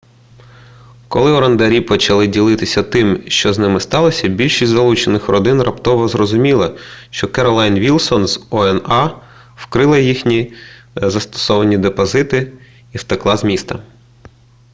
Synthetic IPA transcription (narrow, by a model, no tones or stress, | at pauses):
kɔlˠɪɔɾɐnd̪ɐɾʲipɔt͡ʃɐlˠɪdʲilˠɪt̪ɪsʲɐt̪ɪmʃt͡ʃɔznɪmɪst̪ɑlˠɔsʲɐbʲilʲʃisʲtʲzɐlˠut͡ʃenɪxɾɔd̪ɪnrɐpt̪ɔʋɔzrɔzʊmʲilˠɐʃt͡ʃɔkɛɾɔlˠajnʋʲilˠsɔnzɔɛnɑ | wkɾɪlˠɐjixnʲizɐst̪ɔ̥sɔʋɐnʲid̪epɔzɪt̪ɪ | iwt̪eklˠɑzmʲist̪ɐ